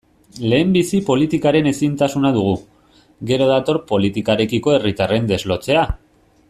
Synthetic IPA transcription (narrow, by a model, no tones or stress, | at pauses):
le̞ːmbisipo̞lit̪ikaɾe̞ne̞sint̪asunað̞uɣ̞u | ɡe̞ɾo̞ð̞at̪o̞ɾpo̞lit̪ikaɾe̞kiko̞e̞rit̪are̞nd̪e̞zlo̞t͡se̞a